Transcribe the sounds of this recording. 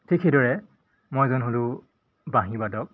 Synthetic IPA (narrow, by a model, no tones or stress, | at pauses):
tʰikʰxejdɔɹɛ | mojzɔnɦolʊ | baɦĩbadɔk̚